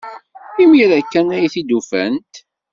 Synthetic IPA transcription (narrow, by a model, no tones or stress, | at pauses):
imiɾækːænæjθid̪ufæ̰nt̪